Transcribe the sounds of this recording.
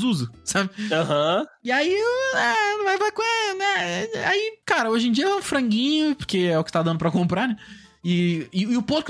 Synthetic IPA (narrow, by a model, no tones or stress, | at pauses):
zuzʊsabɪãɦɐ̃ɪaiɛ̃vajvajkõɛnɛa̰ikaɾɐoʒẽd͡ʒiɐɛũfɾɐ̃ŋɡĩɲʊpʊɾkeɛʊkɪ̥t̪ad̪ɐ̃nʊpɾɐkõmpɾaɾnɛ | ɪːʊpoɾk